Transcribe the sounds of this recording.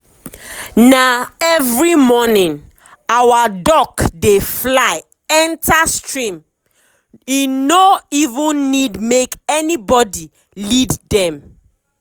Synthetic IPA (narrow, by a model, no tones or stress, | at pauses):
naɛvɹimɔnĩn | awadɔkdeflaɪ | ɛ̃ntastɹĩm | inoivũnnidmekɛnibɔdi | liddɛ̃m